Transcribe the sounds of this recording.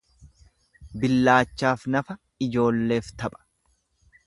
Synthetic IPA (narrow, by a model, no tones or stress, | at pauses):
bɪlːaːt͡ʃːaːfnɐfɐ | ɪd͡ʒo̞ːlːe̞ːft̪ɐɓʼɐ̥